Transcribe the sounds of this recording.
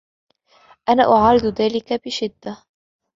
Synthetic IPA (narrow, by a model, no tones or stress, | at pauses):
ʔanaːʔʊʕɑːɾɪd̪ðaːlɪkabɪʃɪd̪ːa